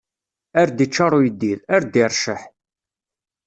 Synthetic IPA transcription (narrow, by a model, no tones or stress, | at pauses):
æɾd̪it͡ʃːɑɾˤojəd̪ːiðæɾd̪iɾˤʃəħ